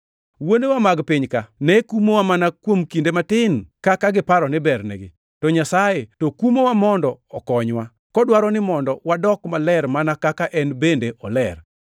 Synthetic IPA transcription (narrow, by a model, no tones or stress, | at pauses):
wonewamaɡpɪɲkanɛkumowamanakwomkindematɪnkakaɡɪpaɾɔnɪbɛrnḛɡɪ̰ | tɔɲasajetokumowamɔndɔɔkɔɲwa | kɔdwaɾɔnɪmɔndɔwadɔkmalɛɾmanakakaʔɛnbendeʔɔlɛr